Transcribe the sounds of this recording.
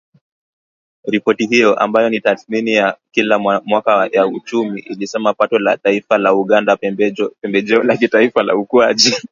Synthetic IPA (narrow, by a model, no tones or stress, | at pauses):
ɾipɔtiɦijɔʔa̰mbajɔnitaθminijakilamwakajaut͡ʃumiʔilisɛmapatɔla̰taifalauɠandapɛmbɛʄɛɔlakitaifala̰ukwaʄi